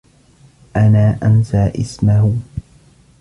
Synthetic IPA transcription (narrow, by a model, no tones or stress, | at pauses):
ʔanaːʔamsaːʔɪsmah